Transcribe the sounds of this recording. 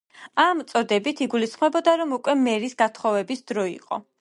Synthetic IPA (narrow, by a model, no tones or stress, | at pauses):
amt̪sʼɔd̪ɛbit̪ʰiɡulisχmɛbɔd̪aɾɔmukʼwɛmɛɾisɡat̪ʰχɔvɛbisd̪̥ɾɔḭqʼɔ̰